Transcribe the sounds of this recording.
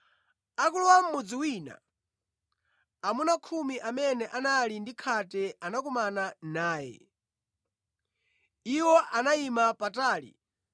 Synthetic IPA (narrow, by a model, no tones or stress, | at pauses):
akuluwam̩mɔd͡ziwiːna̰ | amunakʰumiʔamɛnɛʔanalindikʰatɛʔanak̬umananaːjɛ̰ | iwɔʔanaimapataːlḭ